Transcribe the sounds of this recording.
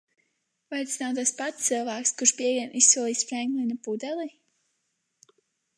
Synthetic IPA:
vajt̪snawt̪aspat̪ssɨlˠvaːkskuɾʃpiɛviɛnʔisːuɔlˠiːsfɾɛŋklinapud̪ɛlˠi

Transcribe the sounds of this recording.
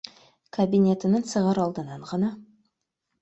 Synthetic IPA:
kʰabijnʲe̞t̪ɪnəŋsəʁɑɾɑlˠd̪ənɑɴʁɑnɑ

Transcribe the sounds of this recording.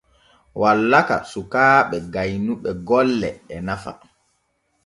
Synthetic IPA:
walːaka̰sukaːɓɛɡajnuɓɛɡɔlːɛɛnafa̰

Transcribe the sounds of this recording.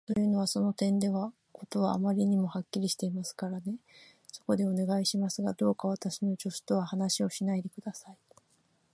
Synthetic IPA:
t̪o̞jɯ̟ːno̞βaso̞no̞t̪ẽ̞nd̪e̞βa | ko̞t̪o̞βa̰ːmaɾʲiɲ̟imo̞hakʲːiɾʲiɕi̥t̪e̞imasɨ̥kaɾane̞ | so̞̥ko̞d̪e̞one̞ɡaiɕimasɨɡad̪o̞ːkaβat̪aɕino̞d͡ʑo̞sɨ̥t̪o̞βahanaɕio̞ɕinaid̪e̞kɯ̟d̪asai

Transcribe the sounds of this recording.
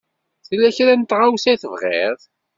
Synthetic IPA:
θlːæçɾænt̪ːʁawsæθəvʁḛɾˤ

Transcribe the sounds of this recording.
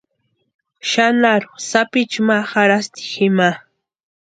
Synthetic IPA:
ʃanaɾʊ̥sapɪt͡ʃmahaɾast̪ɪ̥xɪma

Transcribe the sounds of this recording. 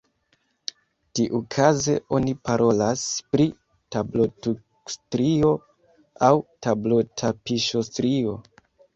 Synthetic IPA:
tiʔukʰaze̞ʔo̞nipaɾʔo̞laspɾi | tablo̞tu | stɾio̞ | awtablo̞tʰapiʃostɾio̞

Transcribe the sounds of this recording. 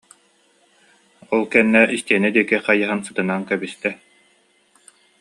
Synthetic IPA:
ɔlˠkɛnːɛʔist̪iɛnɛd̪iɛkiqajaɦɯnsɯ̥t̪ɯnaːnkɛbist̪ɛ

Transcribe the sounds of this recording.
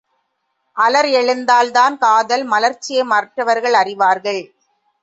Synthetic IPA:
ʔɐlɐɾɛɻɯnd̪aːld̪aːnkaːðɐlmɐlɐɾt͡ʃːɪjɐɪmaɾʈrɐʋɐɾɣɐɭɐrɪʋaːɾɣɐɭ

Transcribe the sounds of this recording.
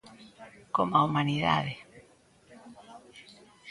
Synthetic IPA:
komaumaniða̰ðe

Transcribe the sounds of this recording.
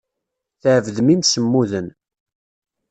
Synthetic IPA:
θəʕvðmimsəmːuðən

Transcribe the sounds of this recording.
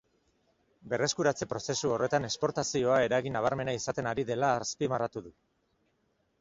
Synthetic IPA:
be̞re̞skuɾat͡se̞pɾo̞se̞suo̞re̞t̪ane̞kspo̞ɾt̪asio̞ae̞ɾaɣinaβ̞aɾme̞naisat̪e̞naɾiðe̞laːspimarat̪uðu

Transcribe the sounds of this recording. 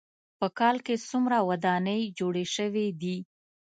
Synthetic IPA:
pəkɑlkesumɾawad̪ɑnəjd͡ʒoɽeʃəwed̪i

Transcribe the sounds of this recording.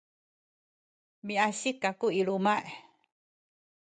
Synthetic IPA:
miaɕikakuiɺumaʔe

